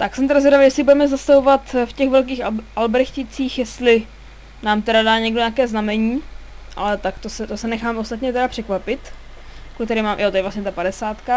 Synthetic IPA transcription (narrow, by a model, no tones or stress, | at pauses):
t̪aksɛmt̪ɛɾazaɾavijɛslɪbudɛmɛzast̪avovat̪fcɛxvɛlk̬iːxʔalbɛɾxcɪt͡siːxjɛst̪lɪ | naːmt̪ɛɾadaːɲɛɡdoɲaːkɛːznamɛɲiːʔa̰lɛt̪akt̪osɛt̪osɛnɛxaːmʔost̪at̪ɲɛt̪ɛɾapr̝̥ɛkvapɪt̪ | kulkt̪ɛɾɛːmaːmjot̪ojɛvlastɲɛt̪apadɛsaːt̪ka